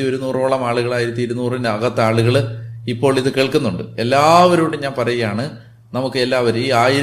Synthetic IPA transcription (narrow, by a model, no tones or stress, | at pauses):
io̞ɾunuːroːɭɐmaːɭuɣɐɭaːjiɾɐt̪ːiiɾunuːrineɐɣɐt̪ːaːɭuɣɐɭ | ipːo̞ːɭiðɨkeːɭkunːuɳɖɨe̞lːaːʋɐɾuːɽeɲaːnpɐrɐjijaːɳɨ | nɐmukːɨelːaːʋɐɾiːaːjiɾ